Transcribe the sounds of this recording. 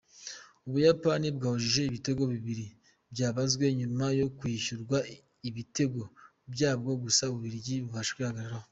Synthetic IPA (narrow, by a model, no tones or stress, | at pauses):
uβujapanibɡaːhuʒiʒe̞iβite̞ɡo̞βiβiɾi | bjaːβazɡwe̞ɲumajo̞kwiːʃuɾɡwa | iβite̞ɡo̞ | bɟaːbɡo̞ɡusauβuβiɾiɟiβuβaʃɡwihaɡaɾaɾaho